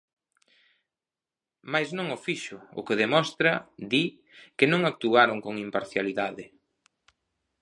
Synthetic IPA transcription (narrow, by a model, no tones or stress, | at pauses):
majznõŋʊfiʃʊʊ̰keðemɔst̪ɾɐd̪i | kɪnõŋak̚t̪uaɾoŋkoŋimpaɾθjaliðaðɪ